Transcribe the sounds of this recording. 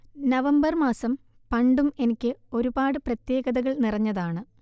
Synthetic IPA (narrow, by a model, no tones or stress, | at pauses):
nɐʋɐmbɐrmaːsɐm | pɐɳɖume̞nikʲːɨo̞ɾubaːɽɨprɐt̪je̞ːɣɐðɐɣɐɭnirɐɲːɐðaːɳɨ